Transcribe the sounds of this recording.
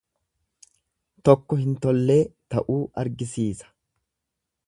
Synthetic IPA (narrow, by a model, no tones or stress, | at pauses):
t̪ɔkːɔhɪnt̪ɔlːe̞ːt̪ɐʔuːɐɾɡɪsiːsɐ̥